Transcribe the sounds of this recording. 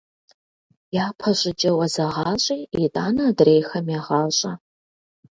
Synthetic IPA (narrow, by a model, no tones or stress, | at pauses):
jaːpʰɐɕʼɪd͡ʒʼɐwɐzɐʁɑːɕʼiːitʼaːnɐdrejxɐmjaːʁɑːɕʼɐ